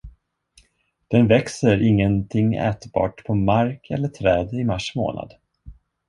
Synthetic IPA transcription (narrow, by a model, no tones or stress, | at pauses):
d̪̥ɛnvɛksəɾɪŋːənt̪ʰɪŋːɛ̰ːt̪bɑ̰ːʈpʰɔmaɾkʰɛ̰lːəʈʰɾɛːd̪ɪmaʂmo̰ːna̰d̪